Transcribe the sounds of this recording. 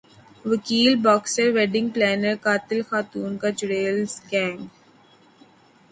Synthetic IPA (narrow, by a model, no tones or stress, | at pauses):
ʋəkiːlbɔːksəɾʋɛːɖɪ̃ŋɡ̚plɛːnəɾkaːt̪ɪlxaːt̪uːnkad͡ʒʊɾeːlsɡɛ̃ːŋɡ